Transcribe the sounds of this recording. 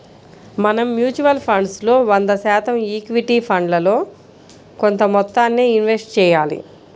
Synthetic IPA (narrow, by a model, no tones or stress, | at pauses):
mɐnɐmːjuːt͡ʃuʋɐlpʰɐɳɖslo̞ːʋɐnd̪ɐsɛːt̪ɐmiːkʋiʈiːpʰɐɳɖlɐlo̞ː | ko̞nt̪ɐmɔt̪ːaːnːeːinʋesʈ̚t͡ʃɛːjaːlḭ